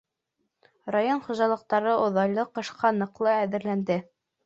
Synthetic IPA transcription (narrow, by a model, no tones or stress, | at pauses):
rajonχŭʒɑlˠɤ̆q̚t̪ɑɾɤʔŏðɑjlˠɤqɤ̆ʃqɑnɤ̆qlˠɤæðɘ̆ɾlænd̪ɘ